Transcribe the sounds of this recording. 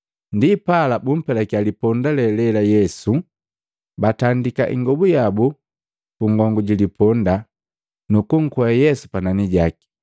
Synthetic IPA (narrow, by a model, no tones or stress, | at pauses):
ndipalabum̩pɛlakjalipɔndalɛlɛlajɛsu | batandika̰ʔḭŋɡɔbujabu | kuŋɡɔŋɡuɟilipʰɔnda | nukuŋ̩kɔajɛsu̥pananiɟaki̥